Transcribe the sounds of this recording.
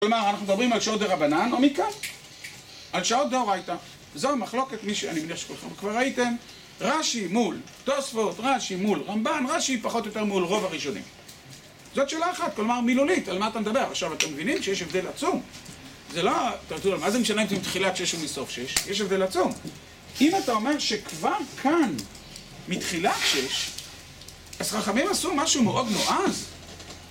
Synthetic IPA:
klomaʁanaχnumed̪abʁimalʃaot̚d̪eʁabananomikan | alʃao̞t̪̚d̪eoʁajta | zoamaχlo̞ke̞tmiʃea̰nimeniaʃekolχemvkvaʁaite̞m | ʁaʃimul | tosfo̞t̪ʁaʃimulʁambanʁaʃipaχo̞t̪jo̞t̪e̞ʁmulʁo̞vaʁiʃo̞nḭm | zotʃeːlaːχat̚klomaʁmilulitalmaːt̪amed̪abe̞ʁaχʃavat̪emːevinimʃejeʃe̞vde̞lat͡sum | zelot̪aʁtulalmazemeʃaneimzemit̪χilatʃe̞ʃumisofʃe̞ʃjeʃ̬evd̪e̞lat͡sum | imatao̞me̞ʁʃe̞kvaʁkʰan | mitχilatʃeʃ | az̥χaχamimasumaʃumeʔo̞dmoʔaz

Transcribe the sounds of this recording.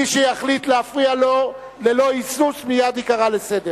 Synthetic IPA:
iʃejaχlitleafʁialo | le̞lo̞isusmijad̪ikaʁalese̞d̪e

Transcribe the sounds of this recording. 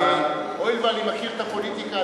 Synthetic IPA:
a | ojlbalimaxiɾt̪apolit̪ika

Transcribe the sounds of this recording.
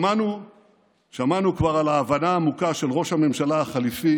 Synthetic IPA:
anu | ʃamanukvaʁalaːvanaːmukaʃelʁo̞ʃhame̞mʃalaaχalifi

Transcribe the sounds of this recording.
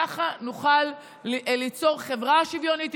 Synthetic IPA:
aχanuχal | lit͡so̞ʁχe̞vʁaʃivjo̞nit̪

